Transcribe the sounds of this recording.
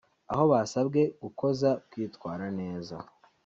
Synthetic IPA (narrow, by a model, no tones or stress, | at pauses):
a̰ho̞βasabɡe̞ɡuko̞zakwiːtkwaːɾane̞ːza̰